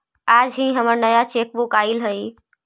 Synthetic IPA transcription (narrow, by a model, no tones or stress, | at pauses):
ad͡ʒɦĩɦəməɾnəjat͡ʃek̚bukailɦəj